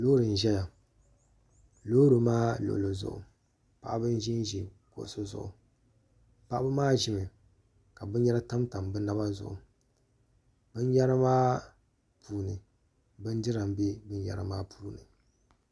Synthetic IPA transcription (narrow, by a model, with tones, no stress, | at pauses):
loː˦ɾɨ˨n̩˨ʒɛ˦ja˨ | loː˦ɾɨ˨maː˦lo̰˨lo˨zʊ̰˨ʔʊ̰˨ | pa̰˨ʔa˦bɨ˦n˦ʒi˦n˦ʒi˨ | ko̰˨ʔso˦zʊ̰˨ʔʊ̰˨ | pa˦˨ʔa˦bɨ˦maː˦ʒɪ˦mɨ˨ | ka˨bɨ˦njɛ˦la˦ta˦mta˨m˨bɨ˦na˦ba˦zʊ̰˨ʔʊ̰˨ | bɨ˦n˦jɛ˦ɾa˦maː˦ | pʰuː˦nɨ˨ | bɨ˦n˦dɨ˦ɾa˨mbe˦bɨ˦n˦jɛ̰˨ɾɨ˨maː˦pʰuː˦nɨ˨